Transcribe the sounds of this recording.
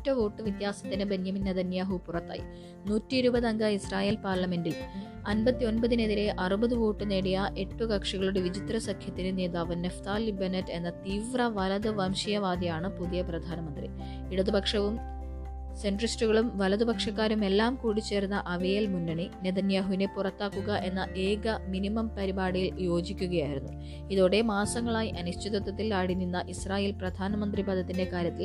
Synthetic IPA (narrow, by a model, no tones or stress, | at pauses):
tːɐʋo̞ːʈːɨʋit̪jaːsɐt̪ːinɐbenjɐminneðɐnjaːɦupurɐt̪ːa̰ːjḭ | nuːtːiːɾubɐðɐŋɡɐisraːje̞ːlpaːrlɐme̞ndil | ɐnbɐt̪ːio̞nbɐðine̞ðiɾe̞ʔɐrubɐðuʋo̞ːʈːɨne̞ːɽijɐʔe̞ʈːukɐkʂɐɣɐɭuɽe̞ʋid͡ʑit̪rɐsɐkʰjɐt̪ːinɨneːðaːʋɐnːeft̪aːlːibɐnɐtːe̞nːɐt̪iːʋrɐʋɐlɐðɨʋɐmɕijɐʋaːd̪ijaːɳɨpuðijɐprɐd̪ʱaːnɐmɐnd̪rḭ | iɽɐðubʱɐkʂɐʋum | se̞nɖristuɣɐɭumʋɐlɐðubʱɐkʂɐkːaːɾume̞lːaːmkuːɽit͡ɕːe̞ːrunːɐʔɐʋejelmunːɐɳineðɐnjɐɦunepurɐt̪ːaːkːuɣɐʔe̞nːɐʔe̞ːɡɐminimɐmpɐɾibaːɽijiljo̞ːd͡ʑikʲːuɣɐjaːjiɾunːu | iðo̞ːɽe̞maːsɐŋːɐɭaːjiʔɐnuɕt͡ɕid̪ɐt̪ːɐt̪ːilaːɽinːinːɐʔisraːje̞ːlprɐd̪ʱaːnɐmɐnd̪ribɐd̪ʱɐt̪ːinde̞kaːɾjɐt̪ːil